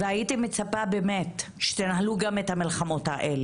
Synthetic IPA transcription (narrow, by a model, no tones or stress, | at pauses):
veajitimet͡sapabemetʃe̥t̪enɦaluɡamet̪hamilχamo̞taʔele